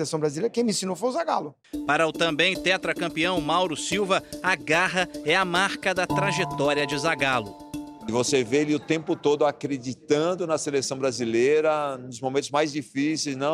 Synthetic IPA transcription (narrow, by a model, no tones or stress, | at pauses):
lesɐ̃w̃bɾazilejɾɐkẽj̃mĩsĩnõwfozaɡa̰lʊ | paɾɐʊt̪ɐ̃bẽj̃t̪ɛt̪ɾɐkɐ̃mpiɐ̃w̃mawɾʊsiwvɐɐɡaɦɐɛɐmaɾkɐd̪ɐt̪ɾaʒet̪ɔɾiɐd͡ʒɪzaɡalʊ | ɪvosevealiʊt̪ẽpʊt̪od̪ʊakɾed͡ʒit̪ɐ̃d̪ʊnɐselesɐ̃w̃bɾazilejɾɐnʊzmõmẽt̪ʊzmajzd͡ʒifisejznɐ̃